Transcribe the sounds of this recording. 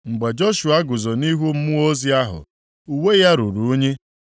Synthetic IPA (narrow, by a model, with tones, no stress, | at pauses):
ŋ͡m̩˨ɡ͡be˨d͡ʒo˦ʃu˨a˦ɡʊ˨zo˨ni˦ɦu˦m̩˦mʊ˦o˦zi˦a˦ɦʊ̰˨ | u˨we˦ja˦ɾu˨ɾu˨u˦ɲe˦